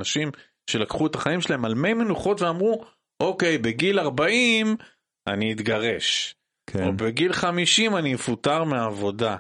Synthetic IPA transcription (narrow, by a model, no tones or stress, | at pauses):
aʃim | ʃe̞lakχue̞taχaimʃelaemalme̞jmenuχo̞tveamʁu | ʔo̞ke̞jbe̞ɡilaʁbaim | a̰niːt̪ɡaʁe̞ʃ | kʰobeɡilχamiʃimanimefutaʁmeaːvo̞da